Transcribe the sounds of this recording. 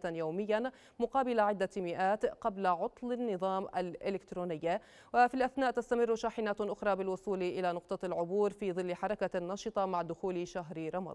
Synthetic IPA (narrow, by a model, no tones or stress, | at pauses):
t̪njowmɪjːa | mʊqɑːbɪlaʕɪd̪ːamɪʔaːt̪qablaʕʊt̪ˤlɪnːɨðˤɑːmʔalʔɪlɪkt̪ɾoːnɪjːa | wafilʔaθnaːʔt̪ast̪amɪrːʊʃaːħɪnaːt̪ʔʊxɾˤɑːbɪlwʊsˤuːlʔɪlanʊqt̪ˤɑlʕʊbuːɾfiːðˤɨlːħɑɾˤɑkanːɑːʃɨt̪ˤɑmaʕd̪ʊxuːlʃaɦɾɾˤɑmɑ̰ˤ